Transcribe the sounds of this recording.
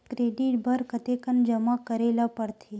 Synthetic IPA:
kɾeːɖiʈbʱəɾkət̪ekənd͡ʒəmakəɾeːlapəɾt̪ʰe

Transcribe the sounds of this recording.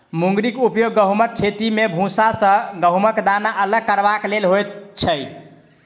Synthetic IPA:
muŋ̆ɡɾikupjoɡːəɦuməkʰːet̪imebʱũsasə̃ɡəɦuməkd̪anaʔələɡ̚kəɾbaklelɦojt̪̚t͡ʃʰəj

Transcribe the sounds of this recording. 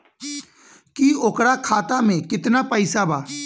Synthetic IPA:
kioːkɾakʰaːt̪amẽkɪt̪napəɪsabaː

